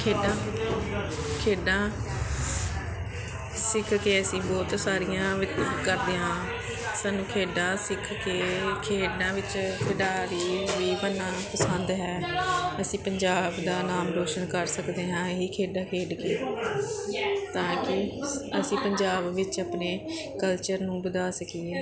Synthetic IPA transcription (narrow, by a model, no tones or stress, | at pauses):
kʰeːɖãː | kʰeːɖãː | sɪkʰkeːəsĩːbɔːt̪saːɾɪjãːʋɪt̪kəɾd̪eːɦãː | saːnːũːkʰeːɖãːsɪkʰkeːkʰeːɖãːʋɪt͡ʃkʰəɖaːɾiːʋiːbənːãːpəsə̃nd̪ɦɛːəsĩːpəɲd͡ʒaːbd̪aːnaːmɾoːʃənkəɾsəkd̪eːɦãːeɦiːkʰeːɖaːkʰeːɖkeː | t̪ãːkɪəsĩːpəɲd͡ʒaːbʋɪt͡ʃəpneː | kəlt͡ʃəɾnũːbəd̪aːsəkiːɛː